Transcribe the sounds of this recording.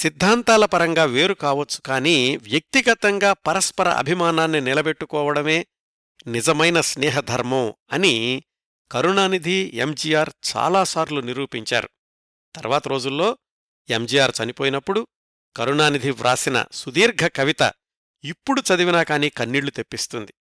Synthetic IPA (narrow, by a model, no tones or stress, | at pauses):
sid̪ʱːaːnt̪aːlɐpɐɾɐŋɡaːʋe̞ːɾukaːʋɐt͡ʃːu̥kaːniːʋjɐk̚t̪iɡɐt̪ɐŋɡaːpɐɾɐspɐɾɐ̰ʔɐ̰bʱimaːnaːnːinilɐbe̞ʈːukɔːʋɐɽɐme̞ː | nid͡ʒɐmɐjnɐsnɛːɦɐd̪ʱɐɾmɐɐni | kɐɾunaːnid̪ʱiemd͡ʒijaːɾt͡ʃa̰ːlaːsaːɾluniɾuːpiɲt͡ʃa̰ːɾu | t̪ɐɾʋaːt̪ɐɾo̞ːd͡ʒulːo̞ː | emd͡ʒijaːɾt͡ʃɐnipo̞ːjinɐpːuɽu | kɐɾunaːnid̪ʱiʋɾʔa̰ːsinɐ̰sud̪iːɾɡʱɐkɐʋit̪ɐ̰ | ipːuɽut͡ʃɐd̪iʋinaːkaːniːkɐnːiːɽɭːut̪e̞pːist̪und̪i